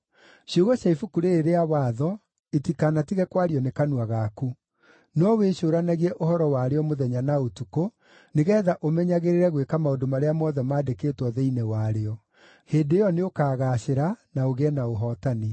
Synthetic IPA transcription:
ɕioɣɔɕaifukuɾeːɾeawaːðɔ | etikanatiɣɛkwaɾiɔnekanuwaɣaku | nɔweɕoːɾanaɣiɛʔohɔɾɔwaɾeɔmoðɛɲanaotuko | neɣɛːðaʔomɛɲaɣeɾeɾɛɣwekamaodomaɾeamɔðɛmaːdekeːtwɔðɛinɛwaɾeɔ | heːndejɔneokaːɣaːɕeɾanaoɣɛnaoɦɔtane

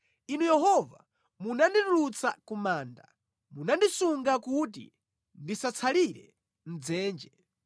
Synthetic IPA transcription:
inujɛɦɔva̰ | munandituɾut͡sʰa̰kumaːnda̰ | munandisuŋɡakut̬ḭ | ndisat͡sʰaliɾɛ̰ | n̩d͡zɛːnd͡ʒɛ

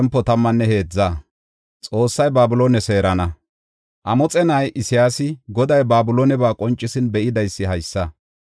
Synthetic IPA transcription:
mpːɔt̪ɐmːɐnːɛhe̞ːd͡zːaː | t͡sʼo̞ːsːɐjbaːbʊloːnɛse̞ːɾɐnɐ | ʔɐmɔt͡sʼɛnɐjʔɪsɪjaːsɪɡɔd̪ɐjbaːbʊloːnɛbaːkʼɔnt͡ʃʼːɪsɪnbɛʔɪd̪ɐjsːɪɦɐjsːɐ

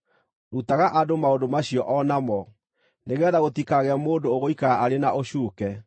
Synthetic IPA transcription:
ɾutaɣaʔadomaodomaɕiɔʔɔnamɔ | neɣɛðaɣotikaɣɛamoːndooɣoikaaʔaɾenaʔoɕuːkɛ

